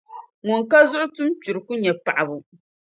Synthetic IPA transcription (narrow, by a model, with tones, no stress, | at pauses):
ŋɔ˨ŋka˦zʊ˦ʔʊ˦tʊ˦m˦t͡ʃu˨ɾɨ˨ku˦ɲɛ˨pa˨ʔa˨bʊ˨